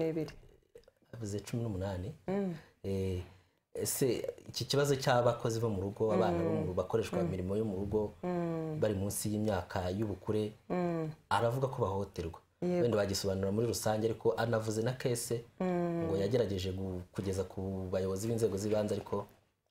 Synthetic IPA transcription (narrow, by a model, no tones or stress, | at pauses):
iɾi | avuze̞t͡ʃuminumunaːni | ese̞iciciβazo̞caβako̞ziβomuɾuɡo̞aβaːnaβomuɾuβako̞ɾe̞ʃkwamiɾimo̞jomuɾuɡo̞ | βaɾimuːnsijiːmɲaːkʰajuβukuɾe̞ | aɾavuɡako̞βaho̞te̞ɾɡwa | wendiβaɟiso̞βanuɾamuɾiɾusaːɲɟeaɾiko̞ʔanavuze̞nake̞ːse̞ŋɡo̞jaɟe̞ɾaɟe̞ʒe̞ɡukuɟe̞zakʰuβajo̞βo̞ziβiːnze̞ːɡo̞ziβaːnzaɾikʰo̞